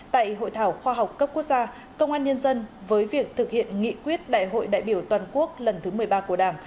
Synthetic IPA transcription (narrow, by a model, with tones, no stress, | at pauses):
t̪a̰ː˧˨jɦo̰˧˨jt̪ʰaː˧˩wxwaː˧ɦa˨˩wk͡p̚kːə˦˥p̚ku˦˥ək̚z̥aː˧ | kə˧wŋ͡mʔaː˧nɲə˧nzə˧nvəː˨˦jvi˨˩ək̚t̪ʰɨ˨˩k̚hḭ˧˨ənŋḭ˧˨kwi˦˥ət̚ɗa̰ː˧˨jɦo̰˧˨jɗa̰ː˧˨jɓi˧˩əwt̪waː˨˩nku˦˥ək̚lə˨˩nt̪ʰɨ˨˦mɨ˨˩əjɓaː˧ku˧˩əɗaː˧˩m